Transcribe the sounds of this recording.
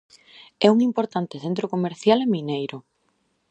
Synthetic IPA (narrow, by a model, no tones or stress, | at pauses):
ɛuŋimpoɾt̪ant̪eθent̪̬ɾokomeɾθjaleminejɾʊ